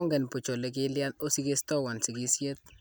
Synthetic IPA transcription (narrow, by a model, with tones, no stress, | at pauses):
ŋɡɛ˨npu˨t͡ʃo˨le˦k̬ɪ˦lja˦no˦si˦ke˦stɔ˦wa˨nsi˨ki˦sje˦t̪̚